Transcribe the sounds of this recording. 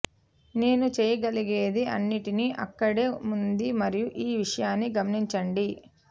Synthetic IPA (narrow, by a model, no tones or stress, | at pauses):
ne̞ːnut͡ʃɛːjɐɡɐliɡe̞ːd̪iʔɐ̰nːiʈiniʔɐ̰kːɐɽe̞ːmund̪imɐɾijuʔiːʋiʂɐjaːnːiɡɐmɐniɲt͡ʃɐɳɖi